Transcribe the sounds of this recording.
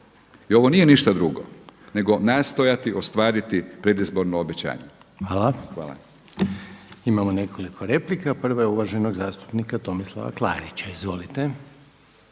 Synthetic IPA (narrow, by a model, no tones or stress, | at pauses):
io̞ʋo̞nije̞niʃt̪ad̪ɾuɡo̰ne̞ɡo̞naːst̪o̞jat̪iʔost̪ʋaːɾit̪ipɾe̞d̪izbo̞ɾnoobet͡ɕa̰ːɲeʋaːlaxʋa̰ːla̰ | imamo̞ne̞kʰo̞likʰo̞ɾe̞plikapr̩ʋajeuʋaʒeno̞ɡzaːst̪u̥pnikat̪o̞mislˠa̰ʋa̰klˠa̰ːɾit͡ɕaizʋo̞lit̪e̞